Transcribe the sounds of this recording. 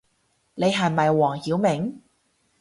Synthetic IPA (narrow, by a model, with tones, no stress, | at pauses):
ne˨˧jɦɐ˨˩jmɐ˨˩jwɔː˨˩ŋhiː˨˥wmɪ˨˥ŋ